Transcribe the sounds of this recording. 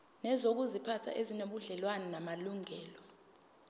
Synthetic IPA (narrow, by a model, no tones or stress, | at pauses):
nɛzok̬uzipʰatʰa̰ʔezinoɓuɮɛlwanɛnamaluŋɛːlɔ